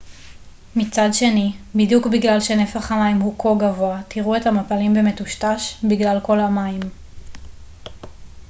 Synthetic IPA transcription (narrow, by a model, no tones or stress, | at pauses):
mit͡sadʃe̞nibidjukbiɡlalʃe̞ne̞faχamaimhukʰo̞ɡavo̞atiʁue̞thamapalimbe̞me̞tuʃtaʃbiɡlalko̞lamaim